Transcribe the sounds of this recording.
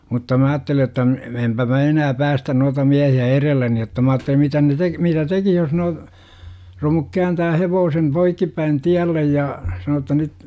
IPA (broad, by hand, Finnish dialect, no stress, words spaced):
mutːɑ mæ ɑːtːeli jotːɑ m empæ mæ enæː pæːstæn nuɑtɑ miæhiæ erelːeni jotːɑ mɑ ɑːtːelim mitæ ne tek mitæ tekih jos no romuk kæːntæː heʋoːsem poikːipːæin tiælːej jɑː sɑnoː tːɑ nyt